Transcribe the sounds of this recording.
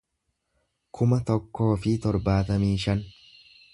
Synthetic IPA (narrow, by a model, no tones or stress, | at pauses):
kʰʊmɐt̪ɔkːo̞ːfɪt̪ɔɾbaːt̪ɐmiːʃɐn